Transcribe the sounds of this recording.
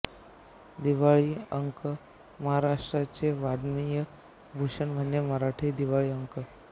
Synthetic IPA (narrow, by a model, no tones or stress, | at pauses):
d̪iʋaɭiːəŋkə | məɦaɾaʂʈɾat͡seʋad̪mijə | bʱuʂəɳm̤ʱəneməɦɾaʈʰid̪iʋaɭiːəŋkə